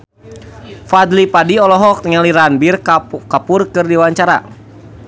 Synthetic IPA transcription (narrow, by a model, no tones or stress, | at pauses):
fad̪lipadiɔlɔɦɔk̚t̪əŋaliɾanbirkapʊrkɨrdiwaɲt͡ʃaɾa̰